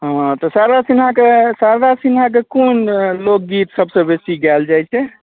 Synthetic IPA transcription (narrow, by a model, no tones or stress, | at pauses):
ɦãt̪ɔsaɾasinɦãkesaɾɾasinɦak̬ekonlok̚ɡit̪səbsə̃besiɡɛld͡ʒajt͡ʃʰɛ